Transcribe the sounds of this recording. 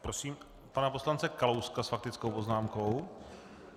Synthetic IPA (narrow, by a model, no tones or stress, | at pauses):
pɾosiːm | panapo̞slant͡sɛkalowskasfak̚t̪ɪt͡skowpo̞znaːmko̞w